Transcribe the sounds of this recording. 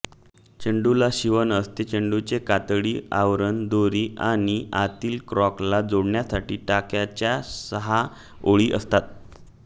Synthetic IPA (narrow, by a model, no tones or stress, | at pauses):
t͡ɕəɳɖulaɕiʋənəst̪et͡ɕəɳɖut͡sekat̪ɽiːaʋɾənd̪oɾiːaɽ̃iat̪iːlkɾɔklad͡zoɽɳjasaʈiːʈakjat͡ɕjasəɦa | oɭiːʔə̰st̪at̪̚